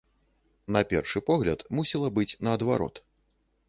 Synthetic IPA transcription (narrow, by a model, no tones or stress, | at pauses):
nɐpʲɛrʂɨpɔɣlʲɐt̪musʲilˠɐbɨt͡sʲnɐːd̪vaɾɔ̰t̪